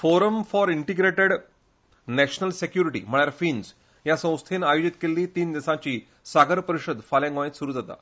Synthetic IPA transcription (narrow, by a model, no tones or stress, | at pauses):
foɾəmfɔɾiɳʈiɡɾeʈeɽ | næɕnəlsekjuɾiʈḭːm̤əɭjaɾfiːnd͡z | jasə̃w̃st̪ʰenajod͡ʑit̪kelːiːt̪iːnd̪isãt͡ɕiː | saɡəɾpəɾiɕəd̪ʱfaljãɡõet̪suɾuːd͡zat̪a̰